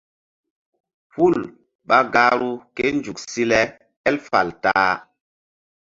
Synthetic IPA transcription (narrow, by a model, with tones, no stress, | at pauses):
pu˦˨l | ɓa˦ɡa˦ɾu˦ke˦nd͡ʒu˨k̚si˦lɛ˦ | ɛ˦lfa˨ltaː˦